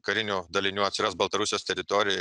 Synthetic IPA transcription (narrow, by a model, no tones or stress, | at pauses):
kɐɾʲɪnʲuːd̪ɐlʲɪnʲuːɐt̪sʲɪɾɐsbɐlˠt̪ɐɾʊsʲjoːst̪ʲɛɾʲɪt̪ɔɾʲɪjɛ